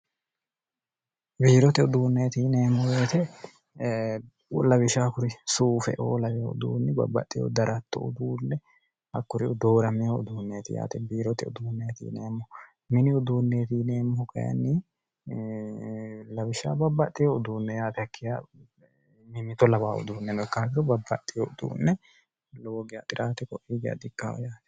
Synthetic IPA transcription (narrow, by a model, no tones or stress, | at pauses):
biːɾɔt̪ɛʊd̪uːnːet̪iːneːmːɔbeːt̪ɛ | lɐbɪʃaːkʊɾɪsuːfɛ̰ʔo̰ːlɐwɪjɔʊ̰d̪ṵːnːɛbɐ̰bːɐ̰t̪ʼːɪjo̰d̪ɐɾʔɐt̪ːɔ̰ʊ̰d̪uːnːɛ | hɐkːʊɾɪɔd̪o̞ːɾɐmɪjoʊ̰d̪uːnːeːt̪ɪja̰ːt̪ɛbiːɾɔt̪ɪʊ̰d̪uːnːejt̪ḭːneːmːɔ | mɪnɪʊd̪uːnːeːt̪iːneːmːɔhɔkɐ̰jɐ̰nːɪ | lɐwɪʃa̰ːbɐbːɐt̪ʼːɪjoʊd̪uːnːɛjaːt̪ɛɐkʰːɪja̰ | mɪmɪt̪ɔlɐβaːʊ̰d̪uːnːɛnɔɪkːaːɡɪɾɔbɐbːɐt̪ʼːɪjɔʊd̪ṵːnːɛ | lɔɔɡɪja̰t̪ʼɪɾʔaːt̪ɛkɔʔiːɡɪja̰d̪ɪkːaːɔ̰jaːt̪ɛ̥